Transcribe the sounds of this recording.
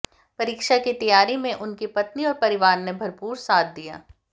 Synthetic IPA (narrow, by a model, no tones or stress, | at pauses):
pɐɾiːkʃakit̪ɐjaːɾimẽʔʊnkipɐt̪niɔːɾpɐɾɪʋaːɾnebʱɐɾpuːɾsaːt̪̚ʰd̪ija̰ː